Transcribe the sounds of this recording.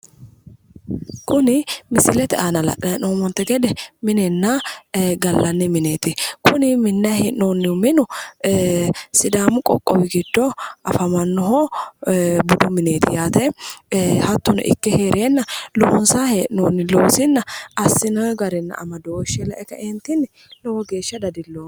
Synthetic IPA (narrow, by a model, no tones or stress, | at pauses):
kʊnɪmɪsɪlɛt̪ɛaːnɐlɐ̰ʔɐɛnoːmɔnt̪ːɛɡɛd̪ɛmɪnɛnːɐɡɐlːɐnːɪmɪneːt̪ɪkʊnɪmɪnːɐhɛʔnoːnːɪmɪnʊ | sɪd̪aːmʊkʼɔ̰kʼːɔwɪɡɪd̪̥ːɔʔɐfɐmɐnːɔɦɔ | bʊd̪ʊmɪneːt̪ɪjaːt̪ɛ | hɐt̪ːʊnɛ̰ʔɪ̰kːɛheːɾʔɛnːɐlɔhɔnsaːheʔnoːnːɪloːsɪnːɐɐsːɪnɔɡɐɾɛnːɐ̰ʔɐ̰mɐd̪owɔʃɛlɐʔɛkːɐʔɛnt̪ːɪnɛ | lɔwɔɡe̞ːʃːɐd̪ɐd̪ɪlːoː